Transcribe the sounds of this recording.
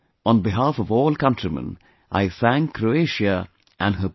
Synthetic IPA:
ə̃nbɪɦaːfɔvɔːlˠkʌ̃ntɹimə̰̃n | ʔa̰ɪsæ̃ŋkʰɾoeɪʃə | ʔæ̃nɦə

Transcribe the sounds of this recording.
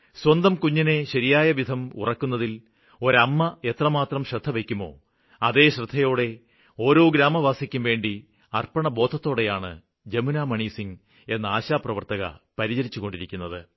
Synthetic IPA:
swɐnd̪ɐmkuɲːine̞ɕɐɾijaːjɐʋid̪ʱɐmṵrɐkːunːɐðil | o̞ɾɐmːɐet̪rɐmaːt̪rɐmɕrɨd̪ʱːɐʋekʲːumo̞̰ː | ɐðe̞ːɕrɨd̪ʱːɐjo̞ːɽe̞ | o̞ːɾo̞ːɡɾaːmɐʋaːsikʲːumʋe̞ːɳɖi | ɐrpɐɳɐbo̞ːd̪ʱɐt̪ːo̞ːɽe̞jaːɳɨ̰ | d͡ʑe̞munaːmɐɳiːsiŋ | e̞nːɐaːɕaːprɐʋɐrt̪ɐɣɐ̰pɐɾit͡ɕɐɾit͡ɕːuɣo̞ɳɖiɾikʲːunːɐðɨ

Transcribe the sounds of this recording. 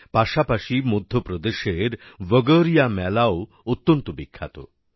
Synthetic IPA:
paʃapaʃimod̪ʱːopɾod̪eʃeɾbəɡəɾijamɛlao | ot̪ːont̪obikʰːa̰t̪o̰

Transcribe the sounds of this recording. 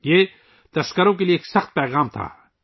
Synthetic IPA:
jeː | t̪ɐskəɾõk̬elieːksɐxt̪̚pɛːɣaːmt̪ʰa̰ː

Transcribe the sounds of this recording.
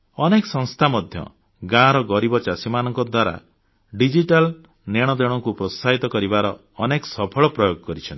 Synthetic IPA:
ɔnekɔsɔŋst̪ʰamɔd̪ʱjɔ̰ | ɡãɾɔɡɔɾibɔt͡ʃasimanɔŋkɔd̪waɾa̰ | ɖid͡ʒiʈal | neɽ̃ɔd̪eɽ̃ɔŋkupɾɔsaɦit̪ɔkɔɾibaɾɔː | nekɔsɔpʰɔɭɔpɾɔjoɡɔkɔɾit͡ʃʰɔnt̪i̥

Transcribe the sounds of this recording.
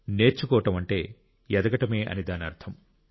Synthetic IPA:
ne̞ːɾt͡ʃːukɔːɐʈɐmɐɳʈe̞ː | jɛd̪ɐɡɐʈɐme̞ːʔɐ̰nid̪aːniɐɾt̪ʰɐm

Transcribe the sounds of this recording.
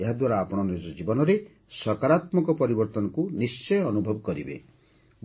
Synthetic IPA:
eɦad̪waɾaːpɔɽ̃ɔnid͡ʒɔd͡ʒibɔnɔɾe | sɔkaɾat̪mɔkɔpɔɾibɔɾt̪ɔnɔkunist͡ʃɔjɔnubʱɔbɔkɔɾibḛ | b

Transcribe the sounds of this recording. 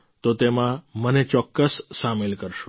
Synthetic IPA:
t̪ot̪emãmənet͡ʃɔkːəsːamelkəɾʃo̥

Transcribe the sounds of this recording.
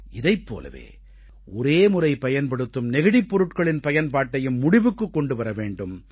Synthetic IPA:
ɪðɐɪpːo̰ːlɐ̰ʋḛː | ɔɾeːmʊrɐɪpɐjɐnpɐɽɯt̪ːɯmnɛɣɪɽɪpːɔɾɯʈkɐɭɪnpɐjɐnpaːʈːɐjɯmːʊɽɪʋɯkːɯkːɔɳɖɯʋɐɾɐʋeːɳɖɯm

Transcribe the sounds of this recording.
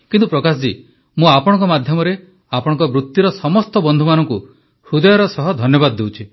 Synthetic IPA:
kint̪upɾɔkasd͡ʒi | mũapɔɽ̃ɔ̃ŋkɔmad̪ʱjɔmɔɾe | apɔɽ̃ɔ̃ŋkɔbɾut̪ːjuɾɔsɔmɔst̪ɔbɔnd̪ʱumanɔŋku | hud̪ɔjɔɾɔsɔɦɔd̪ʱɔnjɔbad̪ːewt͡ʃʰi

